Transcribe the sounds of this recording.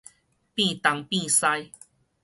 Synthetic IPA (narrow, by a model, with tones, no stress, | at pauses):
pĩ˥˧˨t̪a˨˦ŋpĩ˦˧sa˧j